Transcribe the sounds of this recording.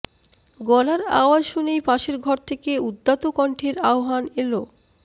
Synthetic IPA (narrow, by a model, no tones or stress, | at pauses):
ɡɔlaɾa̰oad͡ʑʃunejpaʃeɾɡʱɔɾt̪ʰekeud̪ːat̪okɔɳʈʰeɾaoɦanelo